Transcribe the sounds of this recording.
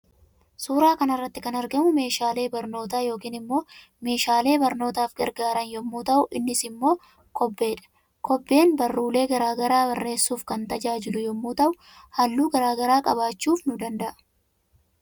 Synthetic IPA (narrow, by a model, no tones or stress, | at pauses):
suːɾaːkɐnɐrːɐt̪ːɪkɐnɐɾɡɐmʊme̞ːʃaːle̞ːbɐɾno̞ːt̪aːjo̞ːkiːnɪmːo̞ː | me̞ːʃaːle̞ːbɐɾno̞ːt̪aːfɡɐɾɡaːɾɐnjɔmːuːt̪ɐʔʊʔɪnːɪsɪmːo̞ː | kɔbːe̞ːᶑɐ̥ | kɔbːe̞ːnbɐrːuːle̞ːɡɐɾaːɡɐɾaːbɐrːe̞ːsːuːfkɐnt̪ɐd͡ʒaːd͡ʒɪlʊjɔmːuːt̪ɐʔʊ | hɐlːuːɡɐɾaːɡɐɾaːkʼɐbaːt͡ʃːuːfnʊd̪ɐnd̪ɐʔɐ̥